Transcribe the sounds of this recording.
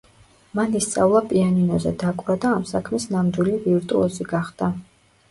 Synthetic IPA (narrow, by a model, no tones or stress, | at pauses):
manist̪sʼa̰vlˠapʼianinɔzɛd̪akʼɾad̪aːmsakʰmisnamd̪wiliviɾt̪ʼuɔziɡaχd̪a